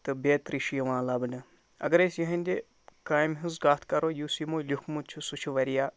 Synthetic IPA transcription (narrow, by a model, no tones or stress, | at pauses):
t̪ɨbeːt̪ɾiʃijʋãːlɐbɨnɨ | ɐ̰ɡɐɾesjiɦɐnʲd̪e | kaːjmɦɨzɡaːt̪ʰkɐɾojusimoːlʲukʰmut͡ʃʰusut͡ʃʰuʋɐɾijaː